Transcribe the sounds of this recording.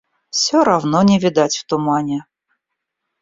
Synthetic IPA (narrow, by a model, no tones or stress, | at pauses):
fsʲɔɾɐvnɔnʲɪvʲɪd̪atʲft̪ʊmanʲɪ